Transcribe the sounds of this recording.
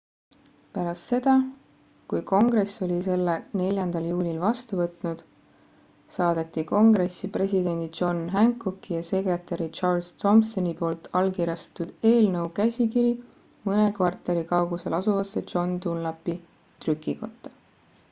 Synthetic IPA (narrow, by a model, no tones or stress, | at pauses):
pæɾɑst̪se̞d̪̥ɑ | kujko̞ŋɡ̥re̞so̞lʲise̞lːene̞lʲjɑnd̪̥ɑljuːlʲilvɑst̪uvɤt̪ˑnud̪̥ | sɑːd̪̥e̞t̪ːˑiko̞ŋɡre̞sːipre̞sʲid̪̥e̞nd̪̥id͡ʒo̞nɦæŋkːˑukːijɑse̞kre̞t̪ˑɑɾit͡ʃɑrst̪o̞msonipo̞ːlt̪ːˑɑlkirjɑst̪ɑ̥t̪ud̪̥e̞ːlnɤwkæsʲikiɾi | mɤne̞kvɑrt̪ːˑe̞ɾikɑwɡ̥use̞lɑsuvɑsːet͡ʃo̞nt̪unlɑpːi | t̪rykːˑiko̞t̪ˑːɑ̥